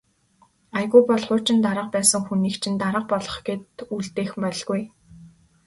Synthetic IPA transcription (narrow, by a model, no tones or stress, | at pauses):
ajɣujpɔɮχʊːt͡ɕʰɪ̆nt̪aɾə̆q̚pæːsə̆ŋxuniːkt͡ɕʰɪ̆nt̪aɾə̆q̚pɔɮɞ̥̆χɡet̪uɮt̪eːxmpɔɮɣuj